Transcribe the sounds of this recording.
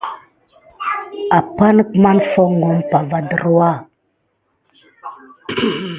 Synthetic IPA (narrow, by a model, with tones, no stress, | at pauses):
a˨pa˦nə˦kma˦nfo˦ŋɡo˨˦mpa˨va˨də˨ɾwa˦